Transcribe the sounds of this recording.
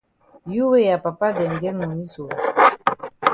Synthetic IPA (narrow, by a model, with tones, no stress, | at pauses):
ju˦we˦ja˨pa˨pa˦dɛ˨ŋ˨ɡɛ˦nɔ˨ni˦su˨wa̰˨